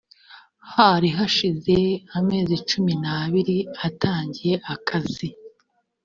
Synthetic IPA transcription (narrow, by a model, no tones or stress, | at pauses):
haɾiɦaʃize̞ame̞ːzit͡ʃuminaβiɾiataːɲɟije̞ʔakʰaz̥i